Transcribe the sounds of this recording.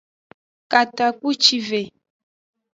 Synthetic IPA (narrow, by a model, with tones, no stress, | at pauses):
ka˨t̪a˨ku˦t͡ʃi˦ve˨